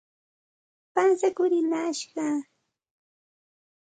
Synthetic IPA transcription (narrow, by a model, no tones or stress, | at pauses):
pansakʊɾɪnaʃɢɑ